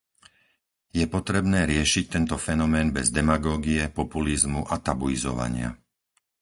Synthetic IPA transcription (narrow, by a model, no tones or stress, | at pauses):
jɛpɔt̪ɾɛbnɛːɾɪɛʃic̚t̪ɛnt̪ɔfɛnɔmɛːnbɛzd̪ɛmaɡɔːɡiɛpɔpulizmuʔat̪abuizɔ̰ʋa̰ɲɪa̰